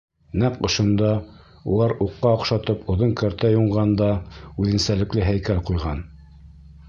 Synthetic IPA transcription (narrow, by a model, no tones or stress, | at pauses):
næqŏʃŏnd̪ɑ | ṵlˠɑɾuqːɑoqʃɑt̪ɤpŏðoŋkæɾt̪æjuɴʁɑnd̪ɑʉðɘ̆nsælɘ̆klɘɦæjkælqujʁɑn